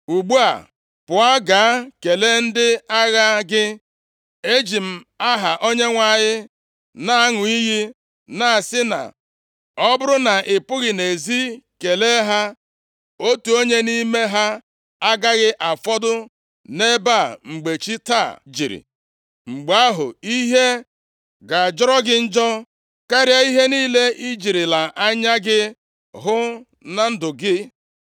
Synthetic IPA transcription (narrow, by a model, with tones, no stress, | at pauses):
u˨ɡ͡bu˦a̰˨ | pʊ˨a˦ɡaː˨˦ke˨le˦n̩˦dɪ˦a˦ɣa˦ɡɪ˦ | e˦d͡ʒi˨m̩˨a˦ɦa˨ʔo˦ɲe˦ŋʷa˨ɲɪ˦ | na˨a˦ŋʊ˨i˦ɦi˦ | na˨a˨sɪ˦na̰˨ | ɔ˦bʊ˦ɾʊ˦na˨ʔɪ˨pʊ˦ɣɪ˨ne˨zi˦ke˨le˦ɦa˦ | o˦tu˨o˦ɲe˦ni˦me˦ɦa˦ | a˦ɡa˦ɣɪ˦ʔa˨fɔ˦dʊ˦ | ne˦ba˦˨ŋ͡m̩˨ɡ͡be˨t͡ʃi˦ta˦˨d͡ʒḭ˨ɾḭ˨ | ŋ͡m̩˨ɡ͡ba˨a˦ɦʊ̰˨i˦ɦe˦ | ɡa˨a˨d͡ʒɔ˦ɾɔ˦ɡɪ˦n̩˦d͡ʒɔ˦ | ka˦ɾja˦i˦ɦe˦niː˦le˦ʔi˦d͡ʒi˨ɾi˨la˨ʔa˦ɲa˦ɡɪ˦ | ɦʊ˦ | na˦n̩˦dʊ˨ɡɪ˦